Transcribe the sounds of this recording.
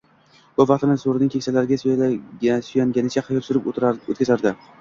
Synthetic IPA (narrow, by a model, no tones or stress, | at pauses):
b̥ʊvɑqt̪ɪnɪsoɾɪnɪŋʲkʲʰeksalaɾɪɡʲas | sʊjaŋɡʲanɪt͡ʃʰaqʰɑjɒpsʊɾɪpo̰t̪̚kʲazaɾd̪ɪ